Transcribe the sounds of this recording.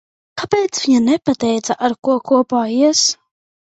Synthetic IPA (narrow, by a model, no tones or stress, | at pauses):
kapeːt̪sviɲanɛpat̪ɛjt̪saʔaɾkuɔkuɔpaːiɛs